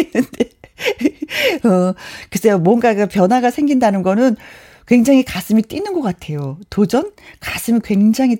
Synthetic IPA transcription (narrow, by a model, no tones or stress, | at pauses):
nɯnde̞ | ʌkɯs͈ʰejomwʌnɡakapjʌnwaɡasʰe̞ŋɡindanɯnɡʌnɯn | kwe̞ŋd͡ʑaŋikas͈ɯmit͈inɯnɡʌk͈atʰe̞jotod͡ʑʌnkas͈ɯmikwe̞ŋd͡ʑaŋi